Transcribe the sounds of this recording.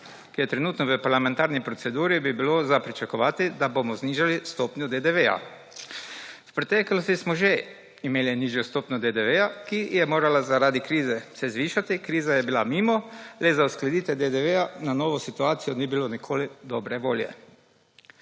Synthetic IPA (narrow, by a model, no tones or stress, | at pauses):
kijɛt̪ɾɛnuːt̪nɔʋəpaɾlamɛ̃nt̪aːɾnipɾɔt̪sɛd̪uːɾibibilozapɾit͡ʃakɔʋaːt̪id̪abomɔzniːʒalist̪oːpnʲjɔd̪ed̪eʋɛja̰ | wpɾɛt̪ɛklost̪ismɔʒe | imeːliniʒjɔst̪oːpnʲɔd̪ed̪eʋɛjakijɛmoːɾalazaɾaːd̪ikɾiːzɛsɛzʋiːʃat̪ikɾiːzajɛbilamiːmɔlɛzausklɛd̪iːt̪ʋɛd̪ed̪eʋeananoːʋɔsit̪uaːt̪sijɔniːbilonikʰoːlid̪ɔbɾɛʋoːljɛ̰